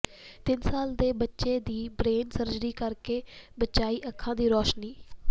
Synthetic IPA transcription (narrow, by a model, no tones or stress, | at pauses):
t̪ɪnsaːld̪eːbətːʃeːd̪iːbɾeːnsəɾd͡ʒɾiːkəɾkeːbətːʃaːiːʔəkʰːãːd̪iːɾɔːʃniː